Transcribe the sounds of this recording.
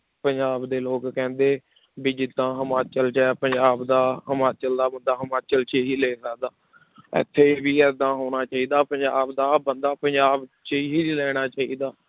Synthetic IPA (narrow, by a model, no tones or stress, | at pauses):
pəɲd͡ʒaːbd̪eːloːkkɛ̃ːnd̪eː | bid͡ʒɪd̪ãːɦəmaːt͡ʃəlt͡ʃɛpəɲd͡ʒaːbd̪aːɦəmaːt͡ʃəld̪aːbənd̪aːɦəmaːt͡ʃəlt͡ʃeɦiːlɛːsəkd̪aː | ɪ̰t̪ʰːeːbiːɛːd̪ãːɦoːnaːt͡ʃaːiːd̪aːpəɲd͡ʒaːbd̪aːbənd̪aːpəɲd͡ʒaːbt͡ʃeɦiːlɛːɽ̃aːt͡ʃaːiːd̪aː